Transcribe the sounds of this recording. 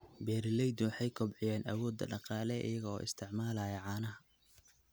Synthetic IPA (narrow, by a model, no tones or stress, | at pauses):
bɛːɾɪlɛjd̪ʊwɑħɑjkʰʊbʕɪjɛːnʔɐwɔːd̪ːɐ̰ɖɑqɑːlɛʔḭjɐɣɐɔ̰ːɪ̰st̪ʰɪʕmaːlaːjɐʕɑːnɐɦɐ